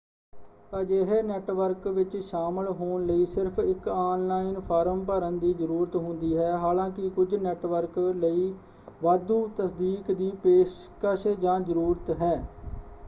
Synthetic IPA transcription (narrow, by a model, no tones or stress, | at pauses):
t̪aːd͡ʒeːɦeːnɛːʈʋəɾkʋɪt͡ʃʃaːməlɦoːnləiːsɪɾpʰɪkaːnlaːinpʰaːɾəmpəɾənd̪iːd͡ʒəɾuːɾət̪ɦʊnd̪iːɦɛːɦaːlãːkɪkʊd͡ʒnɛːʈʋəɾkləiː | ʋaːd̪uːt̪əsd̪iːkd̪iːpeːskəʃd͡ʒãːzəɾuːɾət̪ɦɛː